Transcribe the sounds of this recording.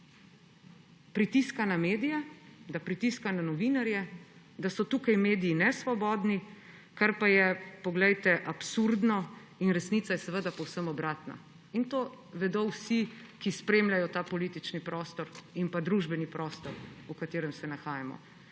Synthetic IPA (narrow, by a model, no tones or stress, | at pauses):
pɾit̪iskanameːd̪ijɛd̪apɾit̪iskananɔʋinaɾjɛ | d̪asɔt̪uːkajmeːd̪iːnɛsʋɔbɔd̪ni | kaɾpajɛpɔɡlɛjt̪ɛʔapsuɾd̪nɔ | inɾɛsnit̪sajɛsɛʋəd̪apɔwsəmɔbɾaːt̪na̰ | int̪o | ʋɛd̪owsikispɾeːmlʲajɔt̪aːpɔlit̪it͡ʃnipɾɔːst̪ɔɾimpad̪ɾuʒbɛnipɾɔːst̪ɔɾukat̪eːɾɛmsɛnaxaːjamɔ̰